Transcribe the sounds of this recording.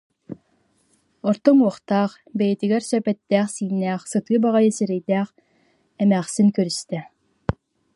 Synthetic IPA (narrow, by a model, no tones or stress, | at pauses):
ɔɾt̪ɔmuɔχt̪aːχ | bɛjɛt̪iɡɛɾsœpɛt̪ːæːχsiːnːæːχsɯt̪ɯːbaʁajɯsiɾɛjt̪æːχ | ɛmæːχsiŋkœɾyst̪ɛ